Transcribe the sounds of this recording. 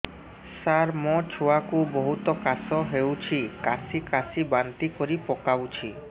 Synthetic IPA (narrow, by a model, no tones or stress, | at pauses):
saɾmɔt͡ɕʰuakuboɦut̪okasoɦewt͡ɕʰikasikasibant̪ikoɾipɔkawt͡ɕʰi